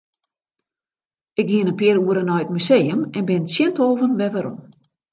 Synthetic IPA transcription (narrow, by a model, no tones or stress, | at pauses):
ɪk̚ɡiənənpɪəɾuəɾənɔjət̚myseːjəmɛnbɪnəsjɛntoːvənʋɛʋaɾɔ̰m